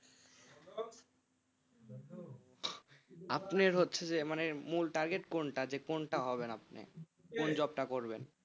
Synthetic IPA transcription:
apneɾɦotːɕʰed͡ʑemanemulʈaɾɡeʈkoɳʈad͡ʑekonʈaɦɔbenapnḛ | kond͡ʑɔb̚ʈakoɾben

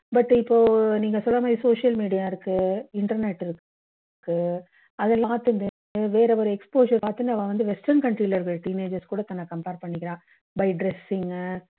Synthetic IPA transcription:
bɐʈːɪpːoːniːŋɡɐsɔlːɐmaːd̪ɾisoːʂɪjɐlmiːɽijaːɪɾɯkːɯɪɳʈɐɾneʈːɪɾɯkː | kːɯ | ɐðɛlːaːɾt̪ːɯnd̪ɯ | ʋeːɾɐɔɾɯɛkspoːʃɐɾpaːɾt̪ɯnd̪ɯɐʋɐ̃ːʋɐnd̪ɯʋɛsʈɾɐnkɐɳʈɾiːlɐɾɯɣɐɭʈiːneːd͡ʒɐɾskuːɽɐt̪ɐnːɐkɐmpeːɾpɐɳːɪkːɪɾãː | bɐɪɖɾɛsɪŋ

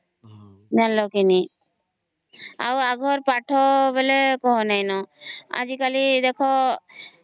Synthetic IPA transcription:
manlɔkini | a̰waɡʱɔɾpaʈʰɔbelekɔɦɔnajnɔa̰d͡ʒikalid̪ekʰɔ

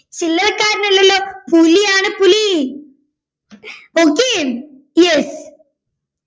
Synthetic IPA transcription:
t͡ɕilːɐlɐkːaːɾnɐlːɐlːoːpuliaːɳɨpuli | oːkːeːm | jes

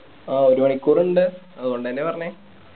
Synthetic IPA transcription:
aːoɾumɐɳikːuːruɳɖɨ | ɐðuɣo̞ɳɖɨðɐnːepɐrɐɲːe

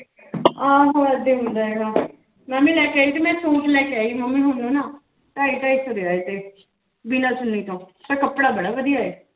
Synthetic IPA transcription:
ãːɦoːəd̪eːɦʊ̃nd̪aːɛːɡaː | mɛmĩːlɛːkeaːiːt̪imɛ̃ːsõːʈlɛːkeaːiːməmːĩːɦʊnnũːnaː | t̪aːiːʈ̪aːisod̪eːaːet̪eː | binãːt͡ʃʊnːiːt̪õːt̪aːkəpːɽaːbəɽaːʋəd̪ijaːeː

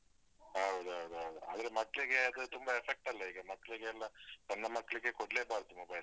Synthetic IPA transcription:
ɦɐɦud̪uɦɐɦud̪uɦɐɦud̪ua̰ːd̪ɐɾe̞mɐkːɐɭiɡe̞ɐd̪ut̪umbɐepʰek̚ʈɐlːɐiːɡɐmɐkːɐɭiɡeːlːɐt̪ɐnːɐmɐkːɐɭiɡe̞koɽleːbaːɾd̪umobɐjl

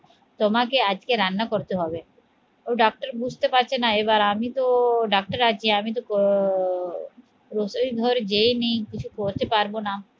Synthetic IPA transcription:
t̪omakead͡ʑkeɾanːakoɾt̪eɦɔbe | oɖɔk̚ʈaɾbud͡ʑʱt̪epaɾt͡ɕʰenaebaɾamit̪oɖak̚ʈaɾad͡ʑʰieamit̪̬ok | ɾosoid̪ʱɔɾd͡ʑejnejkit͡ɕʰukoɾt̪epaɾbona

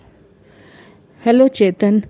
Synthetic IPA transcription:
hɛlot͡ʃet̪ən

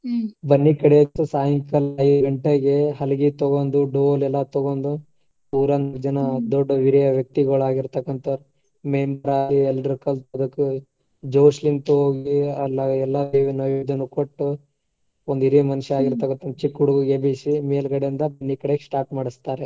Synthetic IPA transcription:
bɐnːikɐɽeɐt̪ːusaːjɐŋkɐlɐid̪ɡɐɳʈeɡe̞ɦɐlɡit̪oɡond̪uɖolɛlːɐt̪oɡoːnd̪u | puːɾɐnd͡ʒɐnɐd̪ɔɖːɐʋiɾijɐʋjɐk̚t̪iɡɐɭaːɡiɾt̪ɐkːɐnt̪ɐ | meːmɐɾaːiɛlːɾukɐlt̪ɐd̪ɐkːu | d͡ʒoːʃlint̪uɦoːɡiɐlːɐɛlːɐʋinɐjʋid̪ɐnːukoʈːu | ond̪iɾimɐnʂaːɡiɾt̪ɐkːɐnt̪ɐnt͡ʃikːuɽuɡuɡebisimeːlɡɐɽejind̪ɐbɐnːikɐɽeksʈaːɾʈmaːɽist̪aːɾe

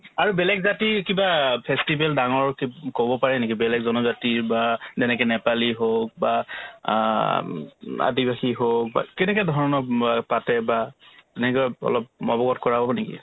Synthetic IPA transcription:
aɹubɛlɛɡzatikibapʰɛstibɛldaŋɔɹkkobɔpaɹɛnekibɛlɛɡzɔnɔzatiɹbazɛnɛkɛnɛpaliɦok̚ba | a̰dibaxiɦok̚ba̰kɛnɛkɔdʱɔɹɔnɔpatɛbaɛnɛkɔpɔ̰lɔp̚mɔbɔɡɔtkɔɹababɔnekḭ

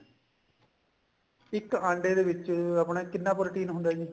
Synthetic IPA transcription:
ɪkːɐɳɖeːd̪eːʋɪt͡ʃːɐpɳẽːkɪnːaːpɔːɾɪʈiːnɦʊnd̪aːd͡ʒi

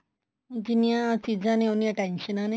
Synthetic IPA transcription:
d͡ʑinjat͡sid͡zaneonjaʈenɕənane

